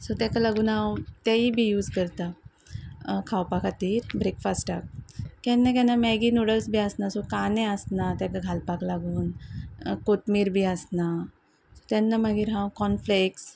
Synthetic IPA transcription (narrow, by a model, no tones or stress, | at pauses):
sɔt̪ãkalaɡuːnawt̪aibʱiːjuːd͡zkəɾt̪a | kʰawpakʰat̪iːɾbɾekfasʈak̚kanːakanamɛɡinuɽəlsbʱiəsnasɔkanɛəsnat̪jãkaɡʱalpaklaɡuːn | kot̪miːɾbʱiəsna | sot̪anːamaɡiːɾɦãwkɔnfleks